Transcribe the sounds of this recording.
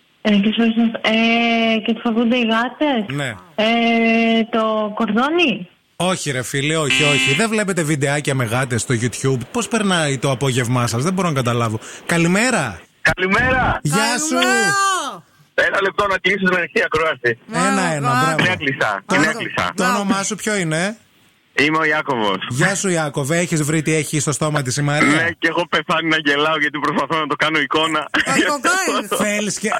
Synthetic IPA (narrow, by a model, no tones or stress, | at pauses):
cesoɾisnɐsecet̪o̥fovund̪eiɣɐt̪esne̞e | t̪okoɾðoni | o̞çiɾe̞filio̞çio̞çiðe̞vle̞pe̞t̪e̞vid̪eɐcɐme̞ɣɐt̪e̞st̪o̞ʝut̪çubpo̞spe̞ɾnɐit̪o̞ɐpo̞ʝe̞vmɐsɐzðebo̞ɾonɐkɐt̪ɐlɐvo̞kɐlime̞ɾɐ | kɐlimeɾɐʝɐsu | enɐlep̚t̪o̞nɐklisot̪inɐɾitiɐkɾoɐsienɐenɐbɾɐeɐklisɐ̰t̪oeɐlisɐ̰t̪oono̞mɐsupço̞ine̞ | imeoiɐkovo̰sʝɐsuiɐko̞veeçizvɾit̪ieçist̪o̞st̪o̞mɐt̪̬isimɐneceɣo̞peθɐninɐɟe̞lɐoʝɐt̪ipɾospɐθonɐt̪o̞kɐnoiko̞nɐ | θelisce